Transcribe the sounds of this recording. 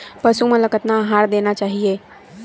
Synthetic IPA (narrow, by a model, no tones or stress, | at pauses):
pəsumẽləkət̪naɦaɾd̪enat͡ʃaːɦie